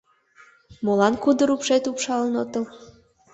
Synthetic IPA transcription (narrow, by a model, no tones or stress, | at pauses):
molɑnkud̪əɾupʃet̪upʃɑlənot̪əl